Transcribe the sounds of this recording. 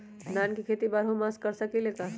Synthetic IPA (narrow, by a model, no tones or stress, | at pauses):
naːnkikʰeːt̪ibaːɾɦõmaskɐɾsɐkileːka